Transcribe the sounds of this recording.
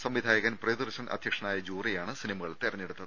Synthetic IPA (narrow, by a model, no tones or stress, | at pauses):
sɐmʋid̪ʱaːjɐɣɐnprɐjd̪urɕɐnʔɐ̰d̪ʱjɐkʂɐnaːjɐd͡ʑuːrijaːɳɨsinɐmɐɣɐɭt̪irɐɲːeɽut̪ːɐðɨ